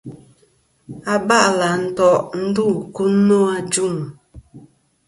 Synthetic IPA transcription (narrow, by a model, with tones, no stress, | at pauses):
a˨ba˦ʔla˨n̩˨tɔ˦ʔn̩˦du˦˨ku˦no˦a˨d͡ʒu˦˨ŋ